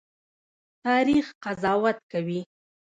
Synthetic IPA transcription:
t̪ɑɾixqazɑwat̪kawi

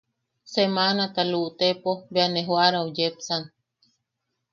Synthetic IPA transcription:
semanat̪aluʔt̪epobeaneɦwaɾaod͡ʒepsan

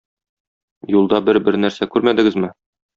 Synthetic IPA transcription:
julˠd̪ɑbɘɾbɘɾnæɾsækʉɾmæd̪ɘ̆ɡɘzmɘ

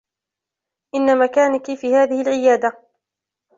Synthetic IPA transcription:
ʔɪnːamakaːnɪkifiːhaːðɪhɪlʕɪjaːd̪a

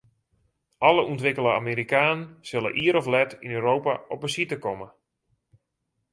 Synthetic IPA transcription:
ʔɔləuntʋɪkələa̰ːmeːɾikaːnənsɪlə̰ʔiəɾɔflɛtinøːɾowpaɔpəsitəkɔmə

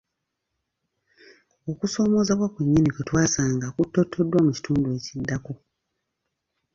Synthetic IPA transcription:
o̞kuso̞ːmo̞ːzaβwakweɲːiniketwaːsaːŋɡakutːo̞tʰːo̞dːwamuci̥tʰuːnduwe̞ːcidːako

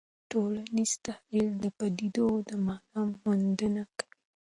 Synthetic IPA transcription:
ʈolaniz̥t̪ahild̪əpad̪id̪od̪əmakammund̪ənakawi

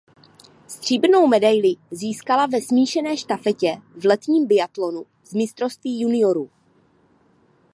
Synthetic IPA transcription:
st̪r̝̥iːbno̞wmɛdajlɪziːskalavɛsmiːʃɛnɛːʃt̪afɛcɛvlɛt̪ɲiːmbɪat̪lo̞nu | zmɪst̪ɾo̞st̪viːjunɪo̞ɾu

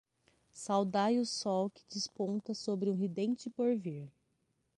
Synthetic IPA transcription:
sawd̪ajʊsɔwkɪ̥d͡ʒɪspõnt̪ɐsobɾɪũɦid̪ẽt͡ʃɪpoɾviɾ

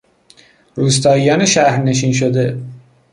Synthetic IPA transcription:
ɾuːst̪ɒːijɒːneʃæhɾne̞ʃ̬iːnʃ̬od̪e

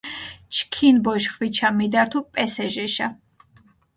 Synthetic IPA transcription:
t͡ʃʰkʰinbɔʃχwit͡ʃʰamid̪aɾt̪ʰupʼɛsɛʒɛʃa

